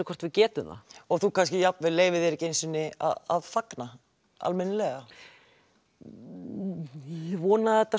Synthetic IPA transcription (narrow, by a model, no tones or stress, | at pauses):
ɪkʰɔrɾt̪vɪcɛːt̪ʏmða̰ɔɣθukʰanscɪjapnvɪleːjvɪðɛɾɪcejnsɪnːɪa̰a̰ðfakna | a̰lmɛnːɪlɛɣa | vɔːnaðɛht̪ːa